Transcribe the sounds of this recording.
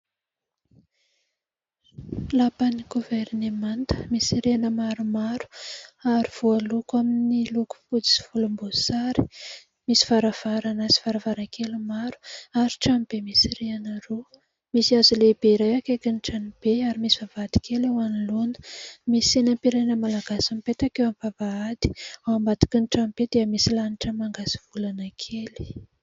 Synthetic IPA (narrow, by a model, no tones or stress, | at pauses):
lapaniɡuvernemant̪ə̥misiɾeanəmaɾumaɾu̥aɾiv̥ualukaminiluku̥pud͡zi̥si̥fulumbosaɾi̥ | misi̥vaɾav̥aɾanazi̥vaɾavaɾakelumaɾu̥aɾiʈ͡ʂamib̥emisireanaɾo | misiazulebeiɾajakekiniʈ͡ʂanib̥eaɾimisiv̥avaad̪̥i̥kʰelewanilonə̥misenampiɾajnəmalaɡasampet̪akewamvavaad̪i̥awambat̪i̥kinʈ͡ʂamb̥ed̪̥eəmisilaniʈ͡ʂəmaŋɡasi̥v̥ulanakʰeli̥